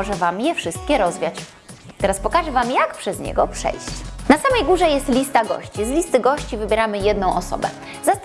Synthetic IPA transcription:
ɔʐɛvamjɛfʂɘst̪̚kʲɛɾɔzvʲjat͡ɕ | t̪ɛɾaspɔkaʐɛvamjakpʂɛzɲɛ̰ɡɔpʂɛ̰jɕt͡ɕnasamɛjɡuʐɛjɛst̪lʲist̪aɡɔ̰ɕt͡ɕislʲist̪ɘɡɔɕt͡ɕivɘbʲjɛɾamɘjɛd̪nɔ̃w̃ʔɔsɔ̰bɛ̰ | zast̪

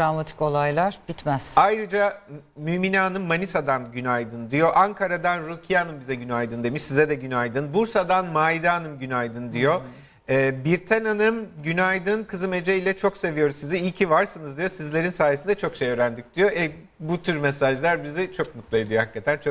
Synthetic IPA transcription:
dɾamat̪ʰi̥ko̞lˠajlˠaɾbit̪mæz̥ajɾɯd͡ʒamyːminaːnɯmːanisad̪anɟynajd̪ɯnd̪ijo̞ʔaŋkʰaɾad̪anɾucʰijanɯmbizɛɟynajd̪ɯnd̪emiʃsizɛd̪ɛɟynajd̪ɯnbuɾsad̪anmajd̪aːnɯmɟynajd̪ɯnd̪ijo̞ | ɛːbiɾt̪ʰɛnanɯmɟynajd̪ɯnkʰɯzɯme̞d͡ʒeilʲɛt͡ʃʰo̞kse̞vijo̞ɾuzsiziilʲcʰivaɾsɯnɯzd̪ijo̞sizlʲe̞ɾinsaːjesind̪ɛt͡ʃʰo̞kʃejø̞ːɾænd̪ic̚d̪̥ijo̞ʔɛ | but̪ʰyɾmesaʒlˠaɾbizit͡ʃʰo̞k̚mut̪lˠaid̪ijohakːat̪ʰænt͡ʃʰo

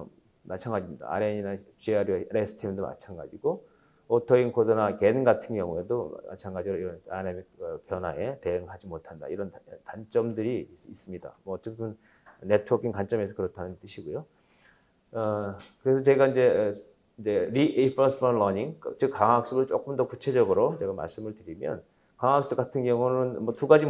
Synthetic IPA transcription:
mat͡ɕʰaŋɡad͡ʑimɲida̰a̰ɾeɲinaɕiaɾoɾesʰɯ̥tʰimidoma̰t͡ɕʰanɡa̰d͡ʑiɡo | otʰʌiŋkʰodʌnake̞nŋɡatʰɯnɡjʌŋue̞doma̰t͡ɕʰaŋɡad͡ʑiɾoiɾʌnanemik̚pjʌnɦae̞te̞ɯŋɦad͡ʑimotʰanda̰iɾʌntant͡ɕ͈ʌmdɯɾiːs͈ɯmɲida̰mʌːt͡ɕ͈eɯn | ne̞tʰuwʌkʰiŋkant͡ɕ͈ʌme̞sʰʌkɯɾʌtʰanɯnt͈ɯɕʰiɡojo | kɯɾe̞sʰʌt͡ɕe̞ɡaind͡ʑe̞ | ind͡ʑe̞ɾiʔepʰʌsʰmʌnlʌɲiŋkt͡ɕɯkkːaŋak̚s͈ɯɡɯɭt͡ɕ͈ok͈ɯmdʌkut͡ɕʰe̞d͡ʑʌɡɯɾot͡ɕe̞ɡama̰ɭs͈ɯmɯɭtɯɾimjʌ̰n | kaŋak̚s͈ɯk͈atʰɯnɡjʌŋunɯnmʌtuɡad͡ʑi

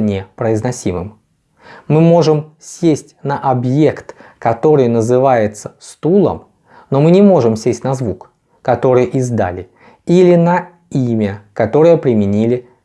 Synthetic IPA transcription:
nʲepɾəɪznɐsʲimɨ̰m | mɨmo̞ʐɨmsʲesʲtʲnəʔɐbje̞kt̪kɐt̪o̞ɾɨjnəzɨvajɪt̪sə̥st̪ulˠə̰m | no̞mɨnʲɪmo̞ʐɨmsʲesʲtʲnɐzvuk | kɐt̪o̞ɾɨjʔɪzd̪a̰lʲɪ | ilʲɪnɐ | imʲəkɐt̪o̞ɾəjəpɾʲɪmʲɪnʲilʲɪ

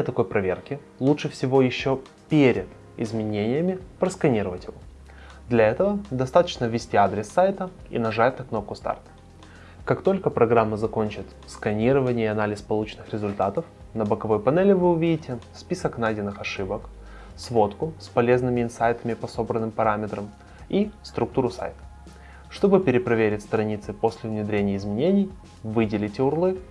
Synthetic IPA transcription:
ət̪ɐko̞jpɾɐvʲe̞̰rkʲɪ | lˠutʂɨfsʲɪvo̞jɪɕːo | pʲeɾʲɪt̪ | ɪ̰zmʲɪnʲenʲɪjəmʲɪpɾəskɐnʲiɾəvətʲjɪvo | d̪lʲɐɛt̪əvəd̪ɐst̪at̪ə̥t͡ɕnəvʲɪsʲtʲiad̪ɾʲɪsːajt̪ə | ḭnɐʐat̪ʲnɐkno̞p̚kʊst̪a̰rt̪ | kakt̪o̞lʲkəpɾɐɡɾamːəzɐko̞nʲt͡ɕɪt̪ | skɐnʲiɾəvənʲɪjəɪɐnalʲɪspɐlˠut͡ɕɪnɨxɾʲɪzʊlʲt̪at̪əf | nəbəkɐvo̞jpɐnɛlʲɪvɨʊvʲidʲɪtʲɪspʲisəknajdʲɪnːɨxɐʂɨbək | svo̞t̪kʊspɐlʲe̞znɨmʲɪɪnsajt̪əmʲɪpɐso̞bɾənːɨmpɐɾamʲɪt̪ɾəm | ist̪ɾʊk̚t̪uɾʊsa̰jt̪ə̥ | ʂt̪o̞bɨpʲɪɾʲɪpɾɐvʲeɾʲɪtʲst̪ɾɐnʲit̪sɨpo̞sʲlʲɪvnʲɪd̪ɾʲenʲɪjəɪzmʲɪnʲenʲɪj | vɨdʲɪlʲɪtʲɪʊrlˠɨ

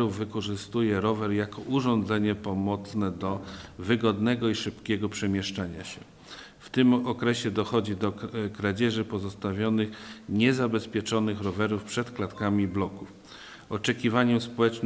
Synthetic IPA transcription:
ɾuvːɘkɔʐɘst̪ujɛɾɔvɛɾjakɔʔuʐɔnd̪zɛɲɛpɔmɔt̪snɛd̪ɔvɘɡɔd̪nɛɡɔiʂɘpkʲɛɡɔpʂɛmʲjɛʂt͡ʂaɲa̰ɕɛ | ft̪ɘmɔkɾɛɕɛd̪ɔxɔd͡ʑid̪ɔkɾad͡ʑɛʐɘpɔzɔst̪avʲjɔnɘxɲɛzabɛspʲjɛt͡ʂɔnɘxɾɔvɛɾufpʂɛt̪klat̪kamʲiblɔkuf | ɔt͡ʂɛkʲivaɲɛmspɔwɛt͡ʂn

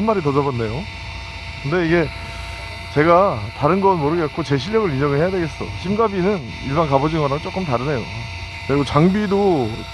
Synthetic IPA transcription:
anmːaɾit̬ʌd͡ʑʌbanːe̞jo | kɯnde̞iɡe̞ | t͡ɕe̞ɡataɾɯnɡʌnmoɾɯɡk͈̚ot͡ɕe̞ɕʰiɭjʌɡɯɭid͡ʑʌŋɯɭhe̞jadweɡe̞s͈ʌ̰ɕʰimɡabinɯn | iɭbankabʌd͡ʑiŋʌɾaɯt͡ɕ͈ok͈ɯmtaɾɯne̞jo | kɯɾeɡot͡ɕaŋbido

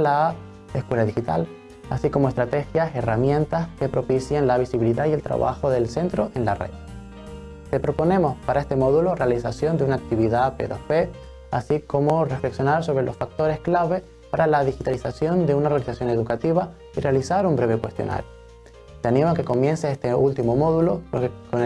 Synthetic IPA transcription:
la | eskwe̞laðixit̪a̰l | a̰siko̞moest̪ɾat̪e̞xjase̞ramjẽ̞nt̪aske̞pɾo̞pisjenlaβ̞isiβiliðaie̞lt̪ɾa̰βa̰xo̞ðe̞lse̞nt̪ɾo̞ʔenlarḛð | t̪e̞pɾo̞po̞nẽ̞mo̞spaɾae̞st̪e̞mo̞ðulo̞realisasjo̞nd̪eunaːk̚t̪iβiðapḛðofe | asiko̞mo̞re̞fle̞ksjo̞naɾso̞β̞ɾe̞losfak̚t̪o̞ɾe̞sklaβe̞ | paɾalaðixit̪alisasjo̞nd̪e̞unaoralisasjo̞neðukat̪iβa | ire̞alisaɾumbɾe̞βekwe̞st̪jo̞̰na̰ɾjo | t̪eanĩmoakeko̞mjẽ̞nseest̪eult̪imo̞mo̞ðulo̞kon

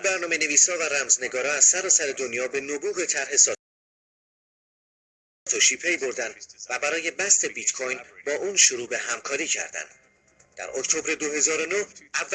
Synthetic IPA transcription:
bæɾnɒːme̞ne̞viːshɒːvæɾæmzne̞ɡɒːɾɒːæz̥sæɾɒːsæɾe̞d̪onjɒːbe̞nobuːɣe̞t̪ʰæɾɦe̞sɒː | t̪ʰoʃiːpʰe̞jboɾd̪ænd̪væbæɾɒːje̞bæst̪e̞bit̪kʰojnbɒːʔuːnʃoɾuːbe̞ɦæmkʰɒːɾiːcʰæ̰ɾd̪æ̰nd̪ | d̪̥æ̰ɾokt̪ʰo̞bɾe̞d̪oɦe̞zɒːɾo̞noævː

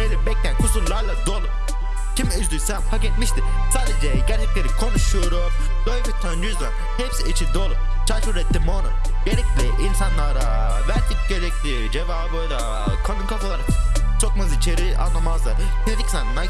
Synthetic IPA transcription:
belʲibɛc̚t̪ʰænkʰusuɾlˠaɾlˠad̪oːlˠu | cʰʲimyzd̪ysɛnpʰakɛt̪miʃt̪i | saːd̪ed͡ʒɛɟæɾt͡ʃʰɛclʲeɾikʰo̞nuʃuɾum | b̪̥øjʲbit̪ʰønyzlam | hɛpsiit͡ʃʰind̪oːlˠum | t͡ʃʰaɾʃɯɾɛt̪ʰːimonu | ɟeɾɛc̚lʲiʔinsanlˠaɾa | væɾt̪ʰikɟeɾɛcli | d͡ʒevaːbojla | kʰanɯnkʰafalˠaɾɯt͡ʃʰokmɯzit͡ʃʰeɾia̰nːˠamazlˠaɾ | ned̪iksanna

